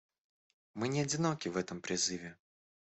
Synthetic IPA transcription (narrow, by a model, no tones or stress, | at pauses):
mɨnʲɪɐdʲɪno̞kʲɪvɛt̪əmpɾʲɪzɨvʲɪ